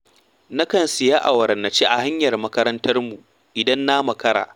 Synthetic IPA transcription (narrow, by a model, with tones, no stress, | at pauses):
na˦kɐ˨nsɪ˨jaː˦ʔa˨wɐ˨ɾɐ˨nːɐ˨t͡ʃeː˦ʔa˨ha˦ɲjɐ˨rmɐ˦kɐ˦ɾɐ˦ntɐ˦rmu˨ | ʔɪ˨dɐ˦nːaː˦mɐ˨kɐ˦ɾa̰ː˨